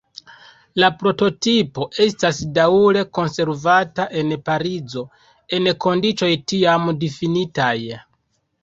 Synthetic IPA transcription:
lapɾo̞to̞tipo̞ʔe̞stasdauɾe̞ko̞nse̞ɾvataʔe̞npaɾid͡zo̞ | e̞nko̞ndit͡ʃo̞jtiamdifinitaj

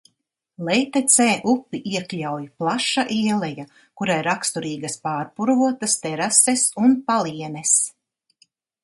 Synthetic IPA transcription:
lˠɛjt̪ɛt̪sɛːʔupːiʔiɛklʲawjplˠaʃaʔiɛlˠɛja | kuɾaiɾakst̪uɾiːɡaspaːɾpuɾvuɔt̪ast̪ɛɾasɛsunpalˠiɛnɛs

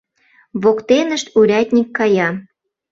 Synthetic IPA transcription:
βokt̪enəʃt̪uɾʲæt̪ʲnʲikːɑjɑ

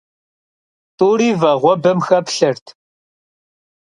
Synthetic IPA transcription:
tʼuːɾiːvɐʁʷɔbɨmxɐpɬɐrtʰ

